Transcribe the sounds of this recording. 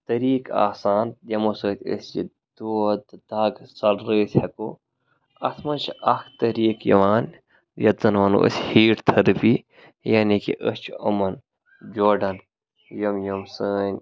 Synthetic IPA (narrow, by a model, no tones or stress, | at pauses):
t̪ɐɾiːka̰ːsaːnd̪ʲɐmosoːt̪ʲə̰sd͡ʒḭ | d̪̥oːd̪d̪ɐɡsɐlɾeːsʲhɐkoː | ɐt̪ʰmɐnt͡ʃʰʔɐkt̪ɐɾiːkjɐ̰ʋaːn | jɐt̪zɐnʋɐnṵʔə̰shiːʈt̪ʰɐɾpi | jaːnikḭʔəst͡ʃʰɐ̰mɐn | d͡ʒoːɖɐn | jɐmjɐmsəːnʲ